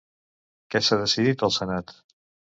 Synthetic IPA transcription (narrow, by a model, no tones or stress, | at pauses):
kɛsaðəsiðit̪əlˠsənat̪